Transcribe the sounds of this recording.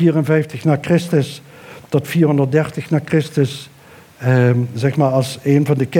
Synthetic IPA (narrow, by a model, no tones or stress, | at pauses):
iːərənvɛjftəxnaːɹkrɪstəs | tɔtfiːɹɦɔndəɹt̚dɛɹtəxnaːkrɪstəs | zɛxmaːɹɑlˠseːnvɑndəkɪ